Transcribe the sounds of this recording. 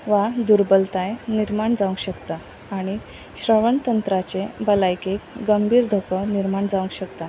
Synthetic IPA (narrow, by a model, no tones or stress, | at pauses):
ʋad̪uɾbəlt̪ajniɾmaɳd͡zaʋə̃ŋɡɕəkt̪aː | ɽ̃i | ɕɾəʋəɳt̪ənt̪ɾat͡ɕebəlajkekɡəmbʱiːɾd̪ʱokəniɾmaɳd͡zaʋəŋɡɕəkt̪a